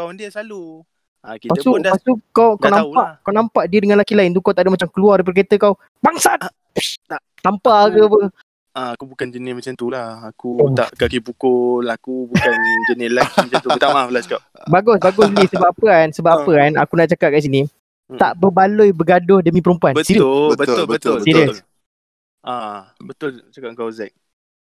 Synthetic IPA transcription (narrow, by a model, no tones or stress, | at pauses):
kawandiəsalu | akipaəupasukawkawnãmpaʔkawnãmpaʔdiədəŋãnlakilaɪnt̪̬ukawt̪aʔdəmat͡ʃamkəluardəp̬ədk̬at̪əkaw | baŋsa | t̪ampakəpə | ʔaakubukand͡ʒənɪsmat͡ʃamt̪ulahakut̪a̰ʔkakibukʊlakubukand͡ʒənɪlamat͡ʃat̪ut̪amaflasu̥kap̚baɡʊsbaɡʊslisəbapapəansəbapapəkana̰kunaʔt͡ʃakat̚kaʔs̬inĩ | t̪aʔbəbalojbəɡadʊhdəmĩpəɾumpuanbəsibət̪lbət̪ʊsiɾə | ʔa | bət̪ʊlt͡ʃakaŋkawzɛk̚